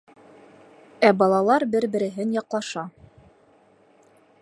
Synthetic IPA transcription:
æbɑlˠɑlˠɑɾbɘɾbɘ̆ɾɘ̆ɦɘnjɑqlˠɑʃɑ

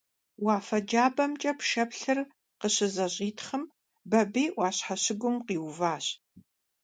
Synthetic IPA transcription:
wɑːfɐd͡ʒaːbɐmt͡ʃʼɐpʃɐpɬɨr | qəɕɪzɐɕʼiːtʰχəm | bɐbiːʔʷwɑːɕħaɕɪɡʷʊmqiːwvaːɕ

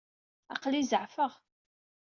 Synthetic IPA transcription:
ɑ̰qlizəʕfəʁ

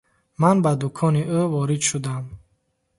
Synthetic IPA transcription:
manbad̪ukʰɔniʔøvɔɾid̪ʃud̪am

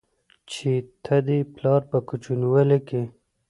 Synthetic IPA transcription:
t͡ʃʰit̪ʰad̪iplɑːɾpəkut͡ʃunwəleke

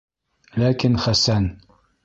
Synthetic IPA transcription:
laːkɪnxasan

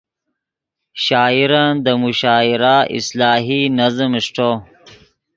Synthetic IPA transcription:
ɕaːiɾand̪əmuɕaːiɾaʔḭslɑːɦinɐzəmʂʈo

